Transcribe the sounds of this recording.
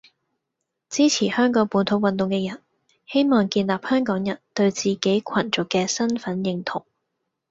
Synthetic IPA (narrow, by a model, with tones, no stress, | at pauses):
t͡siː˥t͡sʰiː˨˩hœː˥ŋkɔː˨˥puː˨˥nt̪ʰo˨˧˥wɐ˨nt̪ʊ˨ŋkɛː˧jɐ˨˩n | he˥jmɔː˨ŋkiː˧nlaː˨p̚hœː˥ŋkɔː˨˥ŋjɐ˨˩nt̪ɵ˧ɥt͡siː˨ke˨˥jkʷʰɐ˨˩nt͡ʃʊ˨kːɛː˧sɐ˥nfɐ˨˥njɪ˧ŋt̪ʰʊ˨˩ŋ